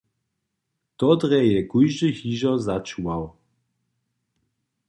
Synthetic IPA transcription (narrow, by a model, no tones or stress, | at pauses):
t̪ɔd̪ɾɛjɛkujʒɨhiʒɔzat͡ʃuaw